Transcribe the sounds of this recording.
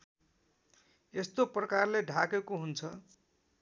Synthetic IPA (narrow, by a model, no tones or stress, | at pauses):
est̪oprʌkarleɖʱakekoɦunt͡sʰʌ